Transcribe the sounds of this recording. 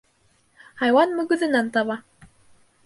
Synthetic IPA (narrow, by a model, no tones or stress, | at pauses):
hɑjwɑnmɵ̆ɡɵ̆ðɘ̆nænt̪ɑβɑ